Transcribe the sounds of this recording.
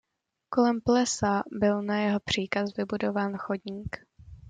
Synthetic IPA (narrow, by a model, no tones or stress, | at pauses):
kolɛmplɛsabɪlnajɛɦo̞pr̝̥iːkasvɪbudo̞vaːnxodɲiːk